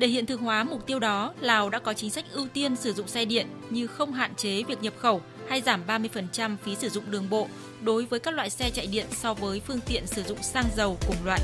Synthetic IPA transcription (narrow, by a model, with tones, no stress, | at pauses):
ɗe˧˩hḭ˧˨nt̪ɨ˧˩əŋɦwaː˨˦mʊ˨˩k͡p̚t̪i˧əwɗɔ˨˦laː˨˩wɗa̰ː˧˥kɔ˨˦t͡ɕï˨˦ŋ̟sa˦˥jk̚ʔɨ˧wt̪i˧ənsɨ˧˩zʊ̰˧˨ŋ͡msɛ˧ɗḭ˧˨ən | ɲɨ˧xə˧wŋ͡mɦa̰ː˧˨nt͡ɕe˨˦vi˨˩ək̚ɲə˨˩p̚xə˧˩w | ha˧jzaː˧˩mɓaː˧mɨ˧əjfə˨˩nt͡ɕa˧mfi˨˦sɨ˧˩zʊ̰˧˨ŋ͡mɗɨ˨˩əŋɓo̰˧˨ | ɗo˨˦jvəː˨˦jkaː˦˥k̚lwa̰ː˧˨jsɛ˧t͡ɕa̰ː˧˨jɗḭ˧˨ənsɔ˧vəː˨˦jfɨ˧əŋt̪ḭ˧˨ənsɨ˧˩zʊ̰˧˨ŋ͡msaː˧ŋzə˨˩wkʊ˨˧˩ŋ͡mlwaː˧˨ʔ